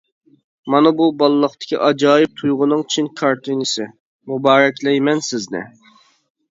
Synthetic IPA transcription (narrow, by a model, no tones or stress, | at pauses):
mɑnɨbubɑlˠɨlˠːəχt̪ɪ̥kʲḭʔɑd͡ʒɑːjɪp̚t̪ʰujʁʊnɨŋt͡ʃʰinkʰɑɾt̪ʰɨnɨsɪ | mubɑːɾɛkʲlɛjmɛnsɪznɪ̰